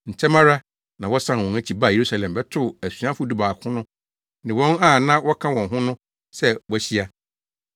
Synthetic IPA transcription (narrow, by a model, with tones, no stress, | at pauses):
n̩˨t͡ɕʰɛ˦mã˦ɾa˦ | nã˨wɔ˦sã˦n˨wɔ̃˨næ˦t͡ɕʰi˨ba˦˨je˨ɾu˦sa˨lɛ̃˨mbɛ˦tʰʊ˦˨æ˨su˨˦ã˦fʊ˦du˦baː˨kʰʊ̃˦nʊ̃˦ | nɪ̃˨wɔ̃˦na˦˨nã˦wɔ˦kʰã˦wɔ̃˨nɦʊ̃˦nʊ̃˦ | sɛ˦wæ˦ɕi˦a˦